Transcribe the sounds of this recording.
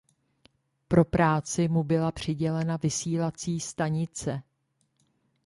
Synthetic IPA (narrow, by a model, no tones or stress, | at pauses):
pɾo̞pɾaːt͡sɪmubɪlapr̝̥ɪɟɛlɛnavɪsiːlat͡siːst̪aɲɪt͡sɛ